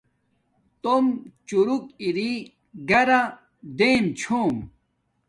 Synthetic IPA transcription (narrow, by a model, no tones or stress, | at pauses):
t̪omt͡ɕuɾukiɾi | ɡɐɾa | d̪eːmt͡ɕʰoːm